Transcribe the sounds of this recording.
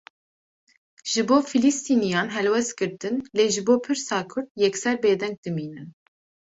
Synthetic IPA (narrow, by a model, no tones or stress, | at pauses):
ʒ̥ɨboːfilist̪iːnijɑːnɦɛlwɛst̪̚ɡɨɾt̪ɨnleːʒɨboːpʰɨɾsɑːkʰʊɾd̪jɛksɛɾbeːd̪ɛŋk̚d̪ɨmiːnɨn